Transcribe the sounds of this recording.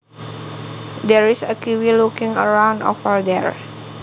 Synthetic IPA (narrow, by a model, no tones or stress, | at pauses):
dɛɹisəkiwilukĩŋə̰ɹãw̃ndɔ̰fəɹdɛɹ